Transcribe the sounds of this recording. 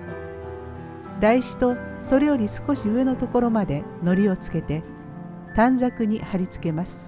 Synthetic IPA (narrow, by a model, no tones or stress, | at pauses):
d̪aiɕi̥t̪o̞so̞ɾe̞jo̞ɾʲisɨ̥ko̞ɕiɯ̟e̞not̪o̞ko̞ɾo̞mad̪e̞no̞ɾʲio̞t͡sɨ̥ke̞t̪e̞ | t̪ãnd͡zakɯ̟ɲ̟ihaɾʲit͡sɨ̥ke̞masɨ̥